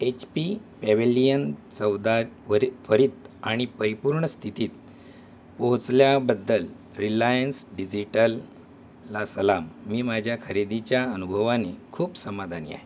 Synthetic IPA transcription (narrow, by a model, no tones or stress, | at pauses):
et͡ɕpipɛʋilijənt͡səwd̪aəɾfəɾiːt̪aɽ̃ipəɾipuɾɳəst̪ʰit̪iːt̪̚ | poɦt͡sljabəd̪ːəl | ɾilajənsɖid͡ʑiʈəlː | asəlamːiːmad͡ʑʱjakʰəɾed̪it͡ɕjaənubʱəʋanekʰuːpsəmad̪ʱanḭa̰ɦe